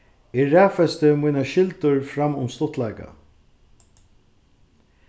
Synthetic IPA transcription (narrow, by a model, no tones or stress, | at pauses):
ɛːæːfɛst̪ɪmujnaʃɪlt̪ʊɹfɾamːʊmst̪ʊt̪lajka̰